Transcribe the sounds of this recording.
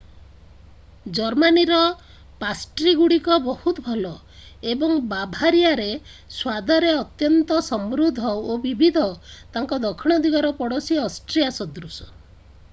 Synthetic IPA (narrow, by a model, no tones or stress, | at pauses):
d͡ʒɔɾmaniɾɔ | pasʈɾiɡuɽikɔbɔhut̪ɔbʱɔlɔ | ebɔŋbabʱaɾijaɾe | swad̪ʱɔɾeɔt̪jɔnt̪ɔsɔmɾud̪ʱɔobibʱid̪ʱɔt̪aŋkɔd̪ɔkʰiɽ̃ɔd̪ʱiɡɔɾɔpɔɽɔsiɔsʈɾijasɔd̪ɾusɔ̥